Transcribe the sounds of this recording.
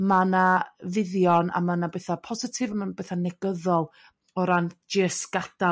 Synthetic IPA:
manavɪðjɔna̰manabɛθapʰɔzɪtʰɪvamanbɛθanɛɡəðɔlˠ | ɔɾand͡ʒɪəsɡ̥ad̥a

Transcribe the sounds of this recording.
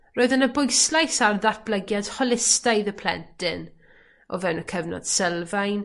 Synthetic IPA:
roːɨðənəbʊjslˠajsarðat̚b̥ləɡjad̥hɔlˠɪstajðəpʰl̥ɛ̰ntʰɪn | ɔ̰vɛwnəkʰəvnɔ̰d̥sɛlˠvajn

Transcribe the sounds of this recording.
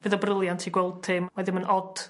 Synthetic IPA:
vɨðɔbrəlˠjantʰiɡwɛlˠd̚tʰɪmmaðɪmənɔd̥

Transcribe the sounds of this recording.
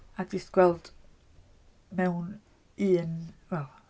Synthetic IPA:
adistɡ̥wɛlˠd̥ | mɛwn | iːnwɛlˠ

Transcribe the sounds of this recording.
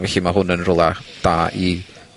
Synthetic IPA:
vɛɬimaɦʊnənrʊlˠad̥aːi

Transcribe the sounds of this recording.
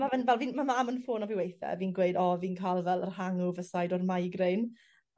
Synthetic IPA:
mavənvɛlˠviːnmamaːmənfoːnɔviwejθɛ̰viːnɡweɨdɔviːnkʰajlˠvɛlˠərhaŋʊvəsajdɔrmajɡren

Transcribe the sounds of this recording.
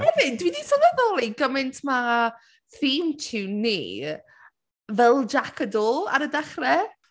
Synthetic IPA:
rɛvɪdwidisɔnaðɔːlˠiɡəmɪntʰma | θiːmtʰɪwnḭː | vɛlˠd͡ʒakʰədɔːlˠa̰ɾədaχrɛ

